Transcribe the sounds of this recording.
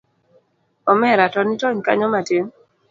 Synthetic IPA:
ɔmɛɾatɔnitɔɲka̰ɲɔmateŋ

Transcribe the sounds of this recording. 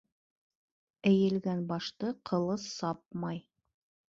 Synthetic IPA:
ɘ̆jɘ̆lɡænbɑʃt̪ɤqʰɤ̆lˠɤsːɑp̚mɑj

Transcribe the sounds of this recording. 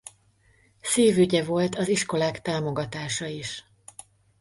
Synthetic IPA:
seːvyɟɛvo̞lt̪ɒziʃko̞laːkt̪aːmo̞ɡɒt̪aːʃɒiʃ

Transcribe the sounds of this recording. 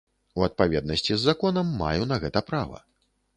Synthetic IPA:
uɐt̪̚pavʲɛd̪̚nɐsʲt͡sʲizːakɔnɐmːa̰junɐɣɛt̪ɐpɾavɐ̰

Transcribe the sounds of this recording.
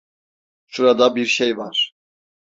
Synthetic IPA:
ʃuɾad̪abiɾʃejvaɾ̥

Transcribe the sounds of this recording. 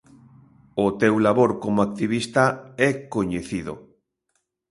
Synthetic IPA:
ʊt̪ewlaβoɾkomoak̚t̪iβist̪aɛkoɲeθiðʊ̰

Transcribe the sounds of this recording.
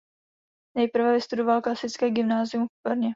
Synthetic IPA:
nɛjpr̩vɛvɪst̪udovalklasɪt͡skɛːɡɪmnaːzɪumfpɾɲɛ

